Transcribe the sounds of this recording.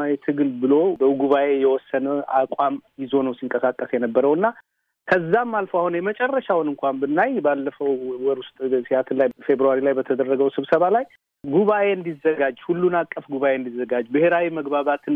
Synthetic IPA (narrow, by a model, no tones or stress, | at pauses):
awit̪ʰɨɡɨlbɨlo̞bəɡuβaʔe̞jɛwɔsːənəʔakʷʼamjɪzo̞nəwsiŋkʼəsakʼːəsjɛnəbːəɾəwɨnːa | kʰəzːamːalfoahunjɛmət͡ʃʼɛrːəʃawnɨŋkʷʰambɨnːajbalːəfəwwɔɾust̪ʼsiat̪ʰɨnlajfe̞bɾuaɾilajbət̪ʰəd̪ərːəɡəwsɨβsəβalaj | ɡuβaʔe̞ɨnd̪izːəɡad͡ʒhulːunakʼːəfɡuβaʔe̞nd̪izəɡad͡ʒːbɨheɾawiməɡbaβat̪ʰɨn